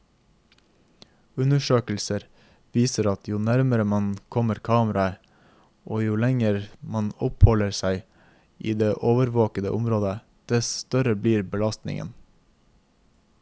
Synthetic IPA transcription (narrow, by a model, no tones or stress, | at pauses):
ʉnəʃøːkl̩səɾ | ʋiːsəɾɑt̪ʰjʊːnæɾməɾəmɑnkʰɔməɾkʰɑːməɾɑ | ʔoːjuːlɛŋəɾmɑnɔphɔləɾsæɪ | ʔiːd̪eːʔoːʋəɾʋoːkəd̪əʔʊmɾoːd̪ə | d̪̥ɛsst̪œɾəbliːɾbəlɑst̪nɪ̰ŋə̰n